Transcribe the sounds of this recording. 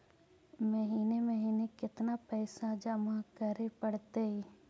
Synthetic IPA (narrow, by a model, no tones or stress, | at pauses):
məɦiːneməɦiːnekɪt̪napɛːsad͡ʒəmakəɾepɐɽt̪e